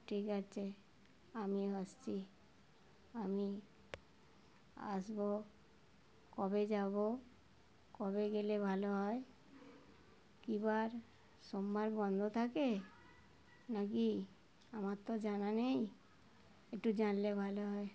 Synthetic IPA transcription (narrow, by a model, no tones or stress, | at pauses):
ʈʰikat͡ɕʰe | amiəst͡ɕʰi | ami | a̰sbo | kɔbed͡ʑabo | kɔbeɡelebʱaloɦɔe | kibaɾ | sombaɾbɔnd̪ʱot̪ʰake | naki | amat̪od͡ʒananej | ekʈud͡ʑanlebʱaloɦɔe